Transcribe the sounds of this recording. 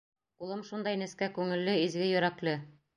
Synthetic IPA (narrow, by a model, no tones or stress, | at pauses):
ulˠɤmʃund̪ɑjnɘ̆skækʉŋɘ̆lːɘizɡɘjɵ̆ɾæklɘ